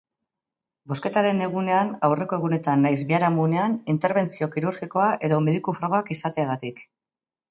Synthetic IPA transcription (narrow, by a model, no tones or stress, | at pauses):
bo̞ske̞t̪aɾe̞ne̞ɣ̞une̞anawre̞ko̞e̞ɣune̞t̪anːajzbiaɾamune̞anint̪e̞ɾβe̞nt͡sio̞kiɾuɾɣiko̞aʔe̞ðo̞me̞ðikufɾaɣo̞akisat̪e̞aɣat̪ik